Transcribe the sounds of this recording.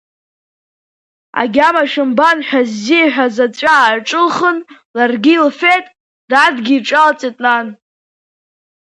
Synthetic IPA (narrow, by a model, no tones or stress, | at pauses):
a̰ɡʲamaʃɨmbanħʷᶣazːiaħᶣazat͡ɕʷʼaːʕʈ͡ʂʼɨlχən | larɡʲilfetʼ | dadɡʲiːʈ͡ʂʼalt͡sʼetʼnan